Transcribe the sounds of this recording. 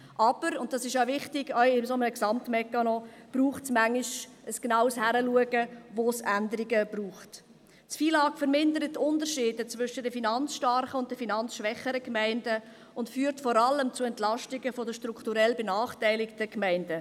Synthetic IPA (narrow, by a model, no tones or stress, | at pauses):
ʔɑb̥əɾʊnt̚d̥ɑsɪʃjaʊvɪχtɪɡœʏɪmsomənəksɑmtmɛkːɑnɔb̥ɾuːχtsmæŋlɪʃʔəsɡ̥nɑʊshæɾəluəɡəvoːsændəɾɪɡəb̥ruːχt | tfiːlɑːkfəɾmɪndəɾətːʊndəɾʃiːdət͡svʏʃədəfinɑnt͡sʃtɑɾχəʊnt̚d̥əfinɑnt͡sʃʋɛχəɾəkmæɪndə | ʊntfyːɾtfɔɾɑləmt͡sʊɛntlɑʃtɪɡəfɔdəʃtɾukʰtuɾɛlbənɑːχtæɪlɪktəkmæɪndə